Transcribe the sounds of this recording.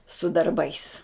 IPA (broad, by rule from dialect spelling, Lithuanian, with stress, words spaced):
sʊ dɐrˈbɐɪs